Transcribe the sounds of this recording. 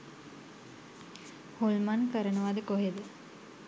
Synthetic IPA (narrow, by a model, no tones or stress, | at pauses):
holmankəɾənəʋad̪əkoɦed̪ə